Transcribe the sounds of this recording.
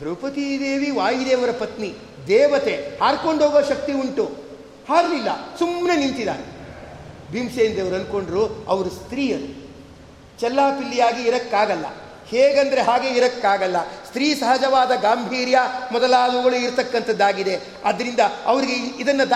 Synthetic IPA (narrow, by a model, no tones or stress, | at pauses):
d̪ɾɐʋpɐt̪id̪eːʋiʋaːjid̪eːʋɐɾɐpɐt̪ni | d̪ɛːʋɐt̪e̞haːɾko̞ɳɖʱɦoːɡɐʃɐk̚t̪iuɳʈu | haːɾlilːɐ̰sumnenint̪id̪a̰ːɾe | bʱimseːnd̪eʋɐɾɐnko̞ɳɖɐɾuɐʋɐɾust̪ɾiːjɐnu | t͡ʃɛlːaːpilːijaːɡiːɾɐkːaːɡɐlːɐ̰ | heːɡɐnd̪ɐɾe̞ɦaːɡe̞iɾɐkːaːɡɐlːɐst̪ɾiːsɐɦɐd͡ʒɐʋaːd̪ɐɡaːmbʱiːɾjamɔd̪ɐlaːd̪ɐɡɐɭuiɾt̪ɐkːɐnt̪ʰɐd̪ːaːɡid̪e̞ | ɐd̪ɐɾind̪ɐɐʋɐɾiɡeid̪ɐnːɐd̪